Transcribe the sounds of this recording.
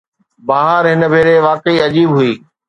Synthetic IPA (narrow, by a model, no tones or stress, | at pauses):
baːɦəɾɦɪnə̆bʱeːɾeʋaːkəiɐd͡ʑiːbɦʊiː